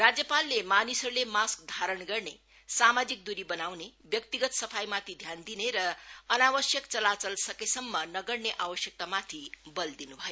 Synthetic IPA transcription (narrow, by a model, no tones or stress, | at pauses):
rad͡zjʌpalːemanisʌɾulemask̚d̪ʱaɾʌɳɡʌrne | samad͡zik̚d̪uɾibʌnawnebjʌk̚t̪iɡʌt̪sʌpʰajmat̪ʰid̪ʱjand̪ineɾʌʌnawʌsjʌkt͡sʌlat͡sʌlsʌkesʌmːʌnʌɡʌrneʔabʌsjʌk̚t̪amat̪ʰibʌld̪inubʱʌjo